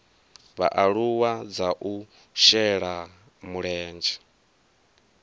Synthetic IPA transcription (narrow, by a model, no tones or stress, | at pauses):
βa̰ʔaɺuwad͡zaʔu | ʃɛɺa | muɺɛːnd͡ʒɛ̥